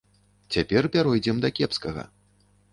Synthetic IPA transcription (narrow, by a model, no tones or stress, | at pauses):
t͡sʲapʲɛrpʲaɾɔjd͡zʲɛmd̪ɐkʲɛpskɐɣɐ̰